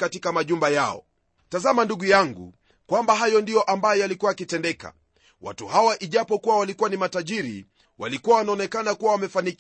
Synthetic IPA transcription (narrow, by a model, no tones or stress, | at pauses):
katikamaʄumbajaɔ̰ | tazamanduɠujaŋɡṵ | kwambaɦajɔndijɔʔambajɔjalikuwajakitɛndɛka̰ | wʔa̰tuhawaʔiʄapɔkuwawalikuwanimataʄiɾḭ | wa̰likuwawanaɔnɛkanakuwawamɛfanik